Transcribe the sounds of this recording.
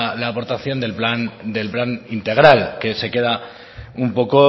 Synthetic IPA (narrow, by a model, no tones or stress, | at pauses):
laːpo̞ɾt̪aθjo̞nd̪e̞lpland̪e̞lplanint̪e̞ɣ̞ɾalke̞se̞ke̞ð̞a | umpo̞ko